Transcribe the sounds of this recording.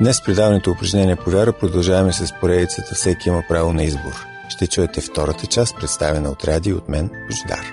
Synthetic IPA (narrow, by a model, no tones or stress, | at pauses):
d̪nɛspɾid̪avənit̪oʊpɾɐʒnʲɛniɛpovʲjaɾəpɾod̪ɐlˠʒavɐmɛsɛspoɾɛd̪it̪sət̪ɛfsɛkiiməpɾavonɐizbo̰ɾ | ʃt̪ɛt͡ʃuɛt̪ɛft̪ɔɾət̪ət͡ʃast̪pɾɛt̪st̪avɛnəot̪ɾad̪iot̪mɛnpuʒd̪a̰ɾ